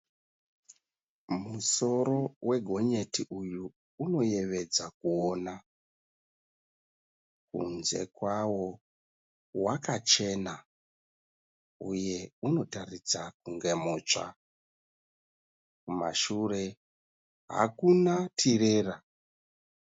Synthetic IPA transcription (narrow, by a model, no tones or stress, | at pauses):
muso̞ɾo̞wʔe̞ɡʱo̞ɲe̞tiʔujuː | no̞je̞ʋe̞d͡zakuona | kṵnze̞̰kwawo̞ | wakat͡ʃe̞na | uje̞uno̞tarit͡sakuŋɡe̞moːt͡ʂa̰ | kuma̰ʃure̞ | ɦa̰kunatʰire̞ːra